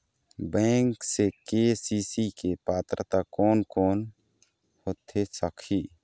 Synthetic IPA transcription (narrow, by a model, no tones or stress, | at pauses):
bɛ̃ːŋksekesisikepaːt̪ɾət̪akɔːnkɔːn | hot̪ʰesəkʰi